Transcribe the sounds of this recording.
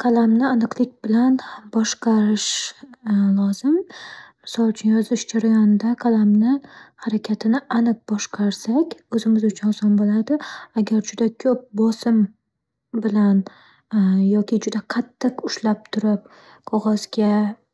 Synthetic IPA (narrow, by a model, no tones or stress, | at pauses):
kʰalˠamnɪanɨqlˠɪk̚ʲb̥ɪlanbɒʃqɑɾɪʃ | lˠɒzɪmmɪsɒlˠʊt͡ʃʰʊnjɒzɪʃd͡ʒaɾajɒnɪd̪aqʰalamnɪhaɾakʲʰat̪ʰɪnɪʔanɨq̚bɒʃqʰɑɾsakʲɵzɪmɪzʊt͡ʃʰʊnsɒnbolad̪ɪaɡʲaɾd͡ʒʊd̪akʲʰɵp̚bɒsɪm | bɪlan | jɒkʲʰɪd͡ʒʊd̪aqʰɑt̪ʰːɪqʊʃlap̚t̪ʰʊɾɪp̚ | qʰɒʁɒzɡʲa